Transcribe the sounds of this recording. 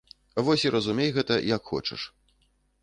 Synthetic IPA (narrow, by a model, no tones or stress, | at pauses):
vɔsʲiɾɐzumʲejɣɛt̪ɐjɐkxɔ̰t͡ʂɛ̰ʂ